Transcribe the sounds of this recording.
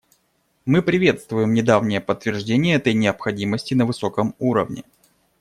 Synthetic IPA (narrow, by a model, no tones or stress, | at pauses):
mɨpɾʲɪvʲe̞t̪st̪vʊjɪmnʲɪd̪avnʲɪjəpət̪ːvʲɪrʐdʲenʲɪjəɛt̪əjnʲɪəpxɐdʲiməsʲtʲɪnəvɨso̞kəmuɾə̰vnʲɪ̰